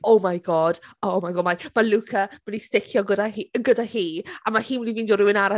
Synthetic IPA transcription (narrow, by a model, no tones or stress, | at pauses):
owmajɡɔːd̥omajɡɔːmajmalukʰam̥ənistɪkʰjɔɡədahiəɡədahiːamahiːnwɛdiviːndɔɾɪwɪnaɾa